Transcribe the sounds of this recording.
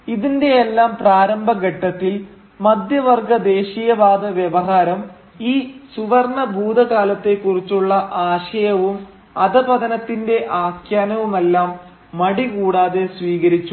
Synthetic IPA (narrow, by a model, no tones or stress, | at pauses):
iðinde̞elːaːmpraːɾɐmbʱɐɡɐʈːɐt̪ːil | mɐd̪jɐʋɐrɡɐd̪e̞ːɕijɐʋaːd̪ɐʋjeʋɐɦaːɾɐm | iːsuʋɐrɳɐbʱuːd̪ɐkaːlɐt̪ːe̞kːurit͡ɕːuɭːɐʔaːɕɐjɐʋum | ɐðɐbɐðɐnɐt̪ːinde̞ʔaːkjaːnɐʋume̞lːaːmː | ɐɽikuːɽaːðe̞sʋiːɣɐɾit͡ɕːu